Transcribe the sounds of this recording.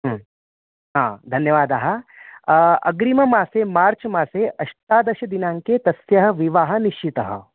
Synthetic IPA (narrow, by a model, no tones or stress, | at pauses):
ɦ | ɦãːd̪ʱɐnjɐʋaːd̪aːɦɐ | ɐ̰ɡɾimɐmaːseːmaːɾt͡ʃɐmaːseːʔɐʂt̪aːd̪ɐʃɐd̪inaːŋkeːt̪ɐsjɐɦɐ̆ʋiʋaːɦɐniʃit̪ɐɦɐ̰̆